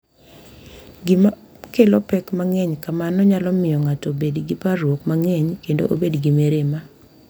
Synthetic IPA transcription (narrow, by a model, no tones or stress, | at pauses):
ɡɪma | kelɔpɛkmaŋɛɲkamanɔɲalɔmɪjɔŋatɔbedɡɪpaɾwokmaŋɛɲkendo̰ʔobedɡimeɾema